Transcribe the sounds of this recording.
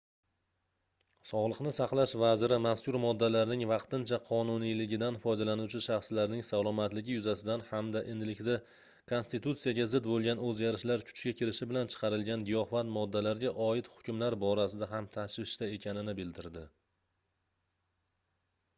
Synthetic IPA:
sɒʁlˠɨqnɪsɑqlˠaʃvazɪɾɪmaskʲʊɾmɒd̪ːalaɾnɪŋvɑqt̪ɪnt͡ʃʰaqʰɒnʊnijlɪɡʲɪd̪anfɒjd̪alanuwt͡ʃʰɪʃɑχslaɾnɪŋsalˠɒmat̪lɪɡʲɪjʊzasɪd̪anhamd̪aʔɪnɪlɪkʲd̪a | kʰo̞nst̪it̪ut̪sijaɡʲazɪd̪bolˠɡʲanɵzɡʲaɾɪʃlaɾkʰʊ̥t͡ʃɡʲakʲʰɪɾɪʃɪbɪlant͡ʃʰɨ̥qʰɑɾɪlɡʲanɡijɒhfat̪mɒd̪ːalaɾɡʲaʔɒɪt̪hʊ̥kʲʰʊmlaɾbɒɾasɪd̪aɦamt̪ʰaʃvɪʃt̪ae̞kʲʰanɪnɪbɪld̪ɪɾd̪ɪ

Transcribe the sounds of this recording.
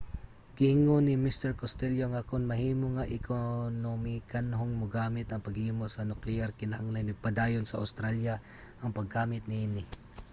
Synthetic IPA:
ɡ̥ɪɪŋonɪmist̪ɛɹkost̪ɛljoŋakʊnmɐɦiːmoŋaʔɪkʰonomɪkanɦoŋmʊɡaːmɪt̪ɐŋpɐɡhiːmosɐnʊklɪaɾkɪnɐhaŋlajnɪpɐd̪aːjonsɐʔa̰wst̪ɾalja | ʔɐŋpɐɡaːmɪt̪̚nɪinɪ

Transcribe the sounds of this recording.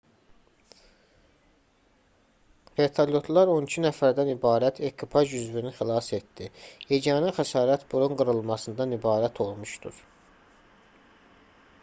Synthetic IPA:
ve̞t̪ʰaljo̞t̪ʰlˠɑɾo̞nicʰinæfæɾd̪ænibɑːɾæt̪ʰe̞kʰipʰɑʒyzvinixilˠɑse̞t̪d̪̥ihed͡ʒɑnɯxæsɑːɾæt̪b̥uɾuŋɡɯɾɯlˠmɑsɯnd̪ɑnibɑːɾæt̪ʰo̞lˠmuʃt̪ṵɾ̥

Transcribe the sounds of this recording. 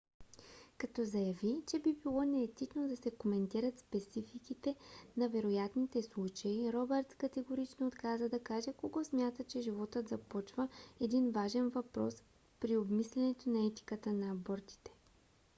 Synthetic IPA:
kɐt̪ɔzɐjɐvit͡ʃɛbibilˠɔnɛːt̪it͡ʃnod̪ɐsɛkomɛnt̪iɾət̪spɛt̪sifikit̪ɛnɐvɛɾojat̪nit̪ɛslˠut͡ʃɐiɾɔbɛɾt̪skɐt̪ɛɡoɾit͡ʃnoːt̪kazəd̪ɐkaʒɛkoɡɔsmʲjat̪ət͡ʃɛʒivɔt̪ət̪zɐpɔt͡ʃvəɛd̪invaʒɛnvɐpɾɔ̰s | pɾiobmislʲɛnɛt̪onɐɛt̪i̥kət̪ənɐːbɔɾt̪i̥t̪ɛ̥

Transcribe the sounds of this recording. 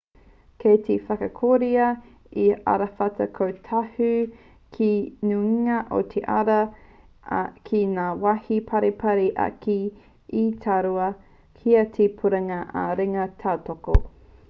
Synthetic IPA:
kʰetʰefɐkɐkʰoɾiɐ | iɐ̰ɾɐfɐtɐkʰowtʰɐhʉ | kʰinuiŋɐʔo̰tʰeʔɐɾɐ | kʰinaːwahipʰɐɾepʰɐɾeʔɐ̰kiː | tʰaɾuɐ | kʰiɐtʰepʰuɾɐŋɐʔɐ̰ɾeŋɐtʰaːtoko̰

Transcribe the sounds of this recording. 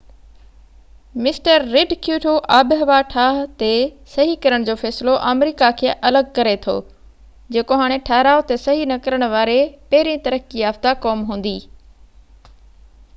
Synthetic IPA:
mɪsʈəɾːɪɖkʰjuːʈʰoʔaːbɪɦɐʋaʈʰaːɦt̪esɐɦikɐɾəɽ̃d͡ʑoːfɛːsɪloʔaːmɾiːkakʰeːʔɐləɡ̚kɐɾet̪ʰo̰ː | d͡ʑeːkoɦaːɽ̃eʈʰaːɦɾaːot̪esɐɦinɐkɐɾəɽ̃ʊʋaːɾepɐɦɪɾĩt̪ɐɾəkiaːft̪akɔːmɦũːn̆d̪iː

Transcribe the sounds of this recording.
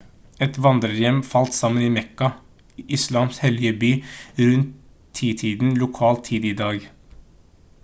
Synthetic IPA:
ɛt̪ʋɑnd̪ɾəɾjɛmfɑlt̪sɑmːəniːmɛkɑ | ɪslɑːmshɛljəbyːɾʉnt̪ʰː | iːt̪ʰiːd̪n̩lʊkʰɑːlt̪ʰiːd̪iːd̪ɑːɡ

